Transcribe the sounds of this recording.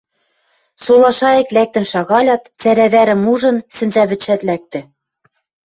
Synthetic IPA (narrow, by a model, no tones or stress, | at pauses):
solˠɑʃɑĕklæk̚t̪ɘ̆nʃɑɣɑlʲɑt̪t͡sæɾæβæɾɘ̆muʒɤ̆nsɘ̆nzæβɘ̆t͡ɕːæt̪læk̚t̪ɘ̆